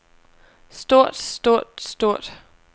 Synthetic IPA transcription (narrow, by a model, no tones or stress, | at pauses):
sd̥o̝ɐ̰d̥sd̥o̝ɐ̰d̥sd̥o̝ɐ̰d̥